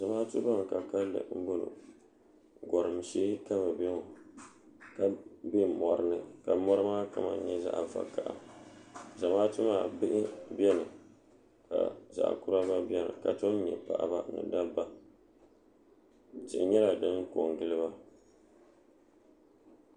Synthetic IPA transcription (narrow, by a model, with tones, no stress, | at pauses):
z̥a˨maː˦tʊ˦ba˦ŋ˨ka˨ka˦lɨ̰˨m̩˦bʊ˦lʊ̰˨ | ɡɔ˨ɾɨ˨m˨ʃeː˦ka˦mɨ˨bɛ˦ŋo˨ | ka˦be˦mɔ˨ɾɨ˦nɨ˨ka˨mɔ˦ɾɨ˦maː˦ka˦ma̰˨˦ɲɛ˦za̰˦ʔva̰˨ka˨ʔa̰˨ | za˨maː˦tʊ˦maː˨bɨ˦ʔɪ˦bjɛ˦nɨ˨ | ka̰˨za̰˨ʔkʊ˦ɾa˦ba˦bɛ˦nɨ̰˨ka˨t͡ʃo˦ɲɛ˨pa̰˨ʔa˨ba˦nɨ̰˨da˦ba˦ | tɪ˨ʔɲɛ˦la˨dɨ˦ŋ˦ko˨ŋɡɨ˦lɨ˦ba˦